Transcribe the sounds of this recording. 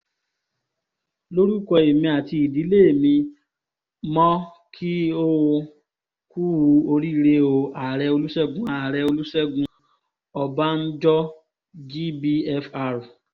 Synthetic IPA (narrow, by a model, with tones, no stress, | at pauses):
lo˦ɾu˦˨kɔ˧e˨mĩ˧a˨ti˧i˨di˨˦le˦e˨mĩ˧ | mɔ̃˦ | kʰi˦o˦w | ku˦˧o˧ɾi˦ɾe˧˦o˧a˨ɾɛ˧o˧lu˦sɛ˦ɡũ˦a˨ɾɛ˧o˧lu˦sɛ˦ɡũ˧ | ɔ˨ba˦n̩˦d͡ʒɔ˦ | d͡ʒi˦bi˧ɛ˧fa˧ɾu˨